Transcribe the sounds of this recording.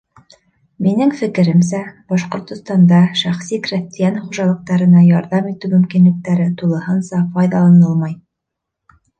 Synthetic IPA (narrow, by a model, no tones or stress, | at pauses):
minɘŋfɘ̆kɘ̆ɾɘmsæbɑʃqŏɾt̪ŏst̪ɑnd̪ɑʃæχsikrʲist̪ijɑnχuʒɑlˠɤ̆q̚t̪ɑɾɤ̆nɑjɑɾðɑmit̪ʉmɵ̆mkinlɘ̆k̚t̪æɾɘt̪ulˠɤ̆hɤnsɑpɑjðɑlˠɑnɤlˠmɑj